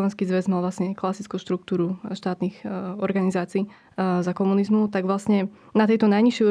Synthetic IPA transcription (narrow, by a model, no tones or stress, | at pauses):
ʋɛnskiːzʋɛzmalʋlasɲɛklasit͡skuːʃt̪ɾuk̚t̪uːɾuʃt̪aːt̪nixɔɾɡanizaːt͡siː | zakɔmunizmut̪aɡʋlasɲɛ | nat̪ɛjt̪ɔnajɲiʃjɛu